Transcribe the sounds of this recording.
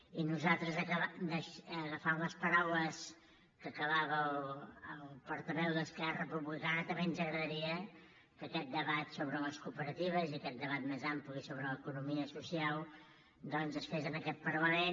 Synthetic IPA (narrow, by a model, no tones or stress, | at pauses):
inuzat̪ɾəzəkəβad̪əʃəəfawləspəɾawləs | kəkəβaβəəlˠpɔɾt̪əβɛwðəskɛrəpɾuβlikaɾət̪əmenzəɣɾəðəɾiə | kəkɛt̪̚d̪əβat̪soβɾələskupəɾət̪iβ̞əziəkɛt̪̚d̪əβat̪̚mezamplisoβɾələkunumiəsusialˠ | d̪ɔnzəsfezənəkɛt̪̚pəɾləmen